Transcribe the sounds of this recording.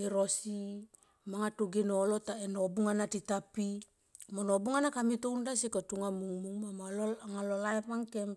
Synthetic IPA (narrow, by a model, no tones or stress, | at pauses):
eɾosi | maŋatoɡenolotaenobuŋanatitapi | monobuŋanakamitowndasikotuŋamuŋmuŋmamaloaŋalolajpaŋkem